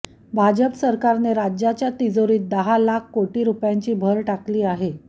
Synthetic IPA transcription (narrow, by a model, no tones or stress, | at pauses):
bʱad͡ʑəpsəɾkaɾneɾad͡ʑjat͡ɕjat̪id͡zoɾiːt̪̚d̪əɦalakʰkoʈiːɾupjaɲt͡ɕiːbʱəɾʈakliːaɦe